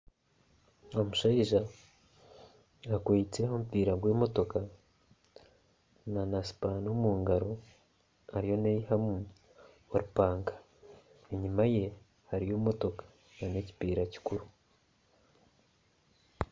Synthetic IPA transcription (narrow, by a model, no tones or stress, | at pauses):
omuʃaiʒa | akwet͡se̞homupiːɾaɡweːmo̞to̞ka | nanasi̥panomuːŋɡaɾo̞ | haɾijo̞nejihamu | oɾupaːŋkḁ | eɲimaje̞ | haɾijomo̞to̞kḁ | naneci̥piːɾaci̥kuɾu